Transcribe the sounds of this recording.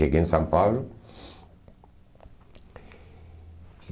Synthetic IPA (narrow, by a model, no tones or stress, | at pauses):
eɡensampaβɾʊ